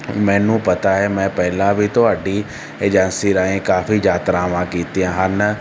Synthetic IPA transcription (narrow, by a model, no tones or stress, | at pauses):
mɛ̃ːnũːpɐt̪aɦɛːmɛ̃ːpɛɦɪlãbʱit̪ʊaːɖi | eːd͡ʒɛ̃ːnsiɾaːẽkaːfid͡ʒaːt̪ɾãːʋãːkiːt̪iãːɦan